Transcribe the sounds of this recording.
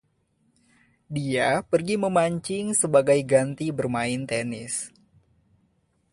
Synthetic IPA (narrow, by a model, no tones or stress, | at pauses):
diapərɡiməmaɲt͡ʃɪŋsəbaɡajɡant̪ibərmaɪnt̪enɪs